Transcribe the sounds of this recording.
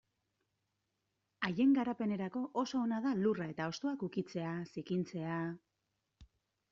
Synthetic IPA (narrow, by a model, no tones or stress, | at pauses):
aje̞ŋɡaɾape̞ne̞ɾako̞ʔoso̞ːnaðalurae̞t̪ao̞st̪oakukit͡se̞asikint͡se̞a